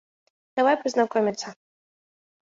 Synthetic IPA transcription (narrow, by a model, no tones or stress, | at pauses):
d̪̥ɐvajpɾɨznakɔmʲɪt̪sɐ